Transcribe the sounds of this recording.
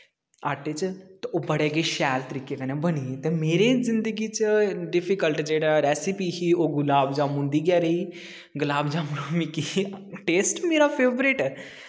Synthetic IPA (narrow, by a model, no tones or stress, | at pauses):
aːʈet͡ʃt̪eoːbəɽeːɡeʃɛːlt̪əɾiːkekɛnẽbəniːt̪emeːɾezɪnd̪əɡiːt͡ʃəɖɪfikəlʈd͡ʒeːɽaɾɛːsipiːɦioɡʊlaːbd͡ʒãːmũnd̪iːɡɛːɾəiː | ɡʊlaːbd͡ʒaːmɽomikiʈeːsʈmeːɾapʰeːbɾeːʈ